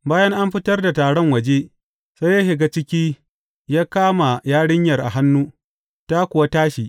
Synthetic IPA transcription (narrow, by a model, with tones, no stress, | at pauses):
baː˦jɐ˦ŋʔa˦mɸɪ˦tɐ˦rda˨taː˨ɽɔ˦ŋwɐ˨d͡ʒe˦ | sa˦jaː˦ʃɪ˨ɡa˦t͡ʃɪ˦kʲiː˦ | jaː˦kaː˦ma˨jaː˦ɽɪ˦ɲjɐ˨rʔa̰˨ɦa˦nːuː˦ | ta˦kʷʊ˨wa˦taː˦ʃiː˨ʔ